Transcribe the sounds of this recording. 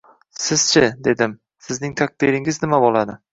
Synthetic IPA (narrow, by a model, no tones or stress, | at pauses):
sɪz̥t͡ʃʰɪd̪e̞d̪ɪm | sɪznɪŋt̪ʰak̚d̪iɾɪŋɪznɪmabolad̪ɪ